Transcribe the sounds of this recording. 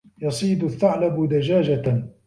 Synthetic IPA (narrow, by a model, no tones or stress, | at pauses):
jɑsˤiːd̪ʊθːaʕlabʊd̪ad͡ʒaːd͡ʒa